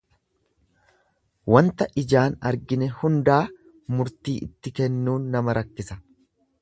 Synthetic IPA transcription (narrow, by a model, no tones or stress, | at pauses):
wɐnt̪ɐʔɪd͡ʒaːnɐɾɡɪnɛhʊnd̪aː | mʊɾt̪iːʔɪt̪ːɪkɛnːuːnːɐmɐɾɐkːɪsɐ